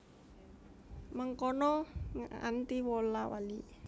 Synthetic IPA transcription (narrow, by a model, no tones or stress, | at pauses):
məŋkɔnɔ | a̰nt̪iwɔlawa̰li